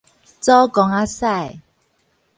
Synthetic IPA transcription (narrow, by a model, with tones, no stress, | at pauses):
t͡sɔ˦kɔ˧ŋa˦sa˥˨j